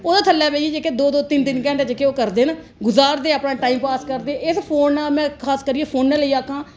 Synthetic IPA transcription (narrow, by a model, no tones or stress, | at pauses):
oːd̪aːt̪ʰəlːɛːʋeːieːd͡ʒeːked̪oːd̪oːt̪ɪnt̪ɪnkɛ̃ːɳʈːd͡ʒeːkeːoːkəɾd̪eːnãː | ɡʊzaːɾd̪eːaːpnaːʈaːiːmpaːskəɾd̪eːɛɪspʰoːnaːmɛ̃ːkʰaːskəɾieːpʰoːnːɛːleiːaːkãː